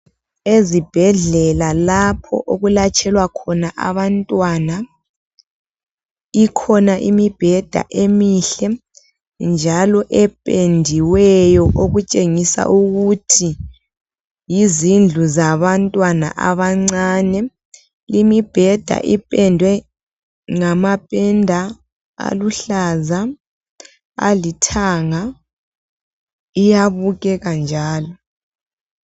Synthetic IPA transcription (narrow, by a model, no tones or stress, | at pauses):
ezib̥ʱɛɮɛlalapʰɔ̰ʔoɣulat͡ʃʰʼɛlwakʰɔnaʔa̰βantʼwana | ikʰɔnaʔimib̥ʱɛd̥ʱa̰ʔemiɬɛ | nd͡ʒʱalɔʔɛpʼendʱiwɛjɔʔoɣut͡ʃʼeŋisa̰ʔuɣutʰi | jizind͡ɮʱuzaβantʼwana̰ʔaβaŋ͡ǀanɛ | limib̥ʱɛd̥ʱa̰ʔipʼɛndʱwɛ | ŋamapʼɛndʱa | a̰luɬaza | a̰litʰaŋa | ijaβuɣɛɣand͡ʒʱaːlɔ